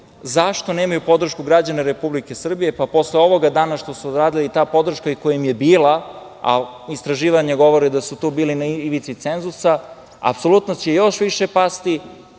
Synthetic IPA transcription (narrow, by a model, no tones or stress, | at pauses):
zaʃt̪o̞neːmajupo̞d̪r̩ʃkuɡɾad͡ʑaneɾepublike̞sr̩bije̞papo̞sleo̞ʋoɡad̪aːnaʃt̪o̞suod̪ɾaːd̪ilait̪aːpo̞d̪r̩ʃkaikojemje̞biːla | a̰ist̪ɾaʒiːʋaɲaɡo̞ʋo̞ɾid̪asut̪uːbiːlinaiʋit̪sit̪se̞nzusa | a̰pso̞lˠut̪not͡ɕejo̞ʃʋiʃe̞past̪i